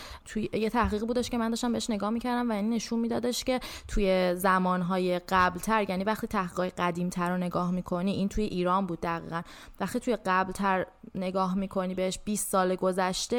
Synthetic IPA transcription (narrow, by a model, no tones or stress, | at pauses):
t̪ʰujjet̪ʰæhɣiːɣibuːd̪eʃce̞mænd̪ɒːʃt̪æmbeeʃne̞ɡɒːhmiːcʰæɾd̪æmvæinːe̞ʃunmiːd̪ɒːd̪eʃce̞t̪ʰuje̞zæmɒːnɦɒːje̞ɢæblt̪ʰæɾjænivæχt̪iːt̪ʰæhɡiːɣɒːjeɢæd̪iːmt̪ʰæɾone̞ɡɒːhmiːkʰo̞niʔint̪ʰujeʔiːɾɒːnbuːd̪̚ːæɣḭːɣæn | væχt̪iːt̪ʰujeɢæblt̪ʰæɾne̞ɡɒːɦmiːkʰo̞niːbe̞heʃb̥iːst̪sɒːleɡo̞zæʃt̪e̞